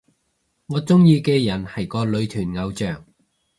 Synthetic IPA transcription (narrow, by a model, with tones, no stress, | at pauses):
ŋɔː˨˧t͡sʊ˥ŋjiː˧kɛː˧jɐ˨˩nhɐ˨˩jkɔː˧lɵ˨˧ɥt̪ʰyː˨˩nŋɐ˨˧wt͡ʃœː˨˩ŋ